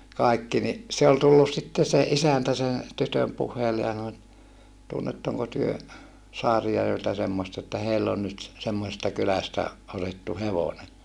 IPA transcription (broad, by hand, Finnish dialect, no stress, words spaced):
kɑˑikːi ni se ol tulːus sitːe se ʔisæntæ sen̞ tytøm puhˑeilːe jɑ sɑno et tunːetːoŋko tyø sɑːrijærʋeltæ semːost etːæ heilː on nyt semːosestɑ kylæstæ otetːu heʋone